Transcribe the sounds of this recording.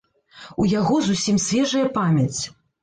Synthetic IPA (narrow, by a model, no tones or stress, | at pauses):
ujaɣɔzusʲimsʲvʲɛʐɐjɐpamʲɐt͡sʲ